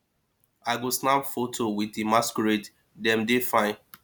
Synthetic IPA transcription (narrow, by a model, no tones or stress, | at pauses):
aɪɡosnabfotʰowitemaskɹet | dɛ̃mdefãɪ̃n